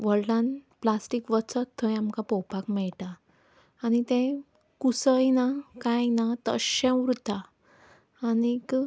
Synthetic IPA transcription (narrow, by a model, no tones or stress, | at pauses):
ʋəɭɖãnplasʈikʋət͡sət̪ʰːə̃jamkapɔwpakmɛɭʈaː | ñit̪ɛ̃ | kusəjnakajnat̪ə̰ɕɛ̃ʋɾut̪aː | nik